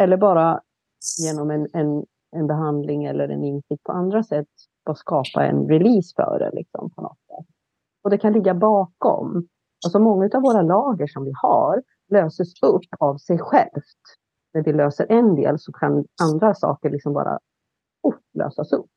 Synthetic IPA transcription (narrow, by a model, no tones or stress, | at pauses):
ɛlːəɾbɑːɾa | jeːnɔmɛnɛn | ɛnbɛɦand̪lɪŋɛlːəɾɛ̰nɪnsɪk̚t̪̚pʰɔ̰and̪ɾasɛt̪ː | bskɑːpa̰ɛ̰nɾɛliːsfœ̰ːɖɛ̰lɪ̰ksɔ̰mpʰɔnɔ̰t̪sɛ̰t̪ː | ɔd̪ɛkʰanlɪɡːabɑːkɔ̰m | alsɔmɔŋːaʉ̟t̪avoːɾalɑːɡəʂɔmvɪha̰ɾ | løːsəsɵpːavsɛjɧɛ̰lft̪ | næɖɛløːsəɾʔɛnd̪ḛːlsɔkʰanand̪ɾasɑ̰ːkəɭɪksɔmbɑ̰ːɾa̰ | ʊpːlø̰ːsasɵ̰pː